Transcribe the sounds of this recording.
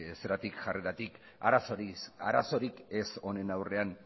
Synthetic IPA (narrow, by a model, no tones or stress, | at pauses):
seɾat̪ikʝareɾat̪ik | a̰ɾasoɾisa̰ɾa̰so̞ɾikeso̞ne̞nawre̞an